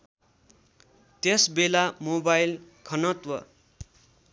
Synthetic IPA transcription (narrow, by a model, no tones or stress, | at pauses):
t̪esbelamobajl | kʰʌnʌt̪wʌ̰